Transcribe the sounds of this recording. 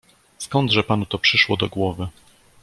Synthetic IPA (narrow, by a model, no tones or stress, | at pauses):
skɔnd̪ʐɛpanut̪ɔpʂɘʂwɔd̪ɔɡwɔvɘ